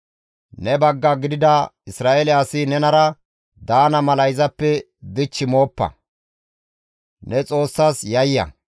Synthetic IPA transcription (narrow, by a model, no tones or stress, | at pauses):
nɛbɐɡːɐɡɪd̪ɪd̪ɐɪsɾaːʔelɛɐsɪnɛnɐɾɐ | d̪aːnɐmɐlɐjzɐpːɛ | d̪ɪt͡ʃːɪmo̞ːpːɐ̰ | nɛt͡sʼo̞ːsːaːsjɐjːɐ̰